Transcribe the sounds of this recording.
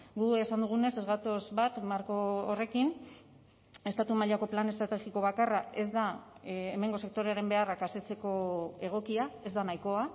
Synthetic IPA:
ɡue̞sand̪uɣ̞une̞se̞zɣat̪o̞zβat̪maɾko̞ːre̞kin | e̞st̪at̪umaʎako̞plane̞st̪ɾat̪e̞xiko̞β̞akarae̞zd̪aeme̞ŋɡo̞se̞k̚t̪o̞ɾeaɾe̞mbe̞arakase̞t͡se̞ko̞e̞ɣ̞o̞kiae̞zd̪anajko̞a

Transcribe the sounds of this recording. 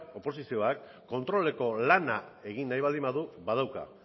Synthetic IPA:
o̞po̞sisio̞akː | o̞nt̪ɾo̞le̞ko̞lanae̞ɣinːajβald̪imbaðuβað̞awka̰

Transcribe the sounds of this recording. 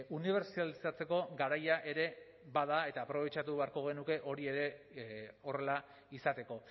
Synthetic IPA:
uniβ̞e̞ɾsialisat͡se̞ko̞ɡaɾajaʔe̞ɾe̞ | βað̞ae̞t̪aːpɾo̞β̞e̞t͡ʃat̪uβe̞aɾko̞ɣenuke̞ʔo̞ɾie̞ɾe̞ | o̞re̞la | isat̪e̞ko̞

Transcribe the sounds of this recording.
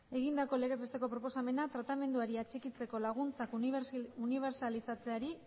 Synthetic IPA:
e̞ɣ̞ind̪ako̞leɣe̞zβest̪e̞ko̞pɾo̞po̞same̞nat̪ɾat̪ame̞nd̪uaɾiat͡ʃekit͡se̞ko̞laɣ̞unt͡sakuniβ̞e̞ɾsalisat͡se̞aɾi

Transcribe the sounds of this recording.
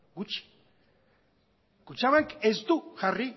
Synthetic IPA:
ɡut͡ʃi̥ | kut͡ʃaβakezd̪uxari

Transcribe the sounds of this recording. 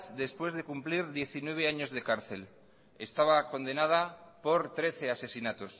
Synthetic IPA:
θd̪e̞spwe̞zðe̞kumpliɾðje̞θinwe̞β̞e̞aɲo̞zðe̞kaɾθe̞l | ḛst̪aβ̞ako̞nd̪e̞nað̞apo̞ɾt̪ɾe̞θe̞ase̞sinat̪os

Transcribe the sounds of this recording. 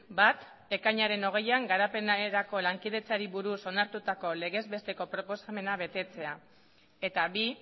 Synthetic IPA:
bat̪ | e̞kaɲaɾe̞no̞ɣ̞e̞jaŋɡaɾape̞naeɾako̞laŋkið̞e̞t͡saɾiβuɾuso̞naɾt̪ut̪ako̞le̞ɣ̞e̞zβe̞st̪e̞ko̞pɾo̞po̞same̞naβe̞t̪e̞t͡se̞a | e̞t̪aβi

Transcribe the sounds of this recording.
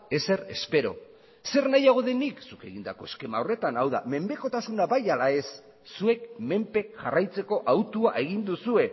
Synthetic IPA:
e̞se̞ɾe̞spe̞ɾo̞̰ | se̞ɾnajaɣ̞o̞ðe̞niksuke̞ɣind̪ako̞e̞ske̞mao̞re̞t̪anawðame̞mbe̞ko̞t̪asunaβajalae̞sː | ue̞kme̞mpe̞kʝa̰rajt͡se̞ko̞ʔawt̪uaʔe̞ɣ̞ind̪usue̞

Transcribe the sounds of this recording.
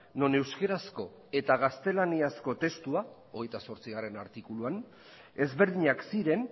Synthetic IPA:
no̞ne̞wskeɾasko̞ | e̞t̪aɣ̞ast̪e̞laniasko̞t̪e̞st̪ua | oɣ̞e̞jt̪aso̞ɾt͡siɣare̞naɾt̪ikuluan | e̞zβe̞ɾðiɲaksiɾe̞n

